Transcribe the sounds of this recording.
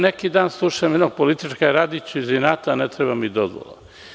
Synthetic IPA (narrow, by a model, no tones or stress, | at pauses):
nekid̪aːnslˠuʃajmed̪noɡ̚polit̪it͡ʃkaɾad̪it͡ɕuizinaːt̪anet̪ɾebamid̪ozʋo̰lˠo̰